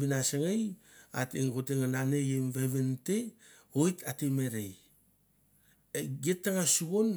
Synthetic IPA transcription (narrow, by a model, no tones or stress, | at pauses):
binasaŋej | a̰tiŋkoteŋananejemveβentekojtatimeɾej | eɡetːaŋasuɡon